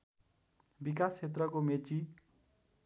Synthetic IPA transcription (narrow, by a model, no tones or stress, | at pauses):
bik̬ast͡ʃʰet̪̬rʌkomet͡si